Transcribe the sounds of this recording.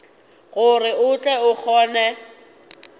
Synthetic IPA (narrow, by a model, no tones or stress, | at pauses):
ɣʊrɪʊt͡ɬʼɛʊk͡xʰɔːnɛ